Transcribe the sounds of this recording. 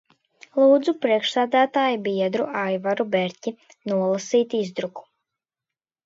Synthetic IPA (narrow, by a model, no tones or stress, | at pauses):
lˠuːd̪zupɾiɛkʃsæːd̪æːt̪aːjibiɛd̪ɾuʔajvaɾubɛɾʲcʲi | nuɔlˠasiːt̪izd̪ɾuku̥